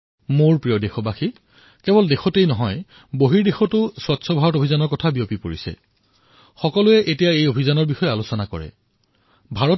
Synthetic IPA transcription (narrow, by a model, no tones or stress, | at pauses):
moɹpɹijɔdexɔbaxi | kɛbɔldexɔtejnɔɦɔj | boɦiɹdexɔtʊswatsʰɔbʱaɹɔtobʱizanɔɹkɔtʰabijopipoɹisɛ̰ | xɔkɔlʊɛʔetijaejobʱizanɔɹbixɔjɛalosɔnakɔ̰ɹɛ̰ | bʱaɹɔ